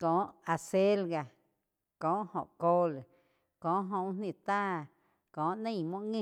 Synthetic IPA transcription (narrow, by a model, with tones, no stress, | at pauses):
kɔ̃ː˨˦ʔa˧˨se˦lɡa˧ | kɔ̃ː˨˦ʔhõ̰˨ʔko˦l | kɔ̃ː˨˦ʔɦõ˧˨wnnĩ˧˨t̪aː˦ | kɔ̃ː˨˦ʔnẽ˧˨mwɔ̃˦ʔŋẽ˦˧˨